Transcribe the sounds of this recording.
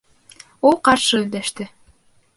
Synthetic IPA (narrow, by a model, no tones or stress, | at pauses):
ulˠqɑɾʃɤɵ̆ld̪æʃt̪ɘ